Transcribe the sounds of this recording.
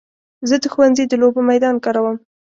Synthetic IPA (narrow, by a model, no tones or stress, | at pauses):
zəd̪əxwanzed̪əlobəmajd̪ɑnkɑɾawəm